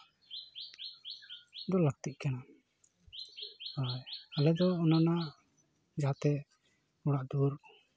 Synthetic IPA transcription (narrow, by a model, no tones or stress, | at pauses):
d̪ɔlək̚t̪iʔ̚kana | hajalɛd̪ɔːnana | d͡ʒaat̪ɛ | uɽaʔd̪uɾ